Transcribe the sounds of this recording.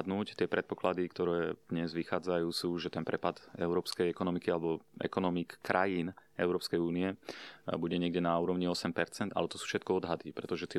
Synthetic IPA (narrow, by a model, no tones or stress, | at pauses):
d̪nuːct̪ɪɛpɾɛt̪̚pɔklad̪ikt̪ɔɾɛːd̪̥ɲɛzʋixaːd͡zajuːsuːʒɛt̪ɛnpɾɛpad̪ɛʊɾɔːpskɛjɛkɔnɔmikialɛbɔʔɛ̰kɔnɔmikkɾʔajinɛʊɾɔːpskɛjuːniɛbuɟɛɲɪɛɡɟɛnauːɾɔʊɲiɔsɛmpɛɾt͡sɛnd̪a̰lɛt̪ɔsu̥ːfʃɛt̪̚kɔɔd̪ɦad̪ipɾɛt̪ɔʒɛt̪ɛ